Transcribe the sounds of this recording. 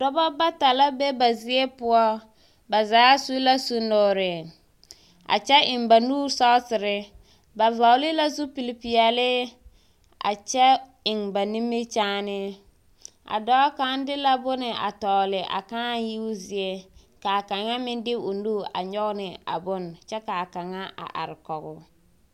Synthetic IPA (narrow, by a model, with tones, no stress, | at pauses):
d̥ɔ˦bɔ˦ba˦ta˨la˦be˦ba˨zɪ˦e˦pʊ˦ɔ˦ | ba˨zaː˨˦su˦la˦su˦nɔ˨ɾɪ˨ | a̰˨t͡ʃɛ˦ɪ˨ŋba˨nuː˦ɾsɔ˦sɪ˨ɾɪ˦ | ba˨va˨ʊ˦lɪ˦la˦zu˦pi˨li˨pi˨ɛ˨lɪ˦ | a̰˨t͡ʃɛ˦ | ɪ˨ŋba˨ni˦mːe˦t͡ʃaː˦nɪ˦ | ʔa̰˨dɔː˦ka˦n˦dɪ˦la˦bʊ˦nɪ˨ʔa̰˨tɔː˨lɪ˨ʔa̰˨kaː˦ji˦ʊ˦zɪ˨e˦ | ka˨a˨ka˨ŋa˦mɪ˦ndɪ˦ʊ˨nuː˦˨ʔa̰˨ɲɔ˦ɣnɪ˨a̰˨bʊ˦nt͡ʃɛ˦ka˨ka˨ŋa˦ʔa̰˨ʔa̰˨ɾɪ˨kɔ˨ɣʊ˨